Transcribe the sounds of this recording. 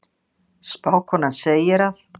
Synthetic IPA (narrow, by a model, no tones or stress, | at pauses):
spaːwkʰɔnanseːjɪɾaθ